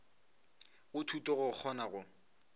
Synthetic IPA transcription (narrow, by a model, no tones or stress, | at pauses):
ɣʊtʰutʼɔɣʊk͡xʰɔnaɣʊ